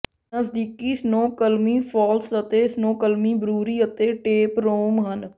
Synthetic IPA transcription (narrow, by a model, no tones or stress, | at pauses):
nəsd̪iːkiːsnoːkəlmiːpʰɔːlsət̪eːsnoːkəlmiːbɾuːɾiːət̪eːʈeːpɾoːmɦən